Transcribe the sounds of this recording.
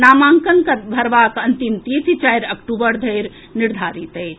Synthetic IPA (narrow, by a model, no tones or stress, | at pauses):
naːmaːŋkəŋkɐbʱɐɾʋaːkɐnt̪imt̪eːsit͡ʃaːjɾɐkʈubəɾd̪ʱɐjɾ | nɪɾd̪ʱaːɾit̪e